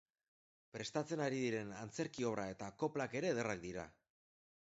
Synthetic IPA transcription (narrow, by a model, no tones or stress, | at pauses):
pɾe̞st̪at͡se̞naɾiðiɾe̞nant͡se̞ɾkio̞β̞ɾʔae̞t̪ako̞plake̞ɾe̞ðerak̚d̪iɾa̰